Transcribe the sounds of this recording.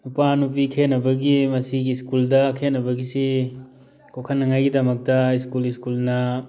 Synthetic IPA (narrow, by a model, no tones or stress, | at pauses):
nupanupikʰenːɐbɐɡimɐsiɡiskuldɐkʰenːɐbɐɡisi | kʰokʰɐnːɐŋajɡidɐmɐk̚tɐiskuliskulnɐ